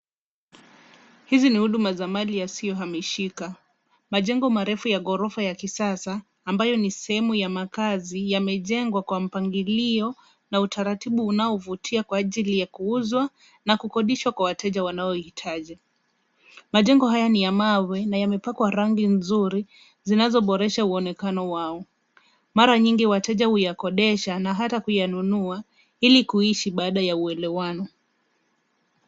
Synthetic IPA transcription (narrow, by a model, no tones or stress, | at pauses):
hizinihuɗumazamalijasijɔɦamiʃika | maʄɛŋɡɔmaɾɛfujaɠɔɾɔfajakisasaː | mbajɔnisɛhɛmujamakazijamɛʄɛŋɡwakwam̩paŋɡiliɔ | nautʰaɾatiɓuːnaɔvutʰiakwaːʄilijakuuzwa | nakukɔɗiʃwakwawatʰɛʄawanaɔhitʰaʄi | maʄɛŋɡɔɦajanijamawɛnajamɛpakwaɾaŋɡinzuɾi | zinazɔɓɔɾɛʃauɔnɛkanɔwaɔ | maɾaɲiŋɡiwatɛʄahujakɔɗɛʃanaɦatakujanunua | ilikuiʃiɓaːɗajauɛlɛwanɔ